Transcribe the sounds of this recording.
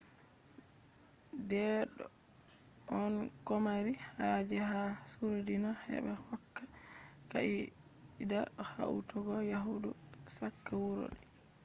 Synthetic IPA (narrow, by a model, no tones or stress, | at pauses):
dɛɗɔ | ɔn | kɔmaɾihad͡ʒɛhasuɾdinahɛ̰bɛhɔkːa | ka̰ʔi | idaɗɔha̰ʔṵtuɡɔjaɦudu | sakːɛwuɾo̰ɗɛ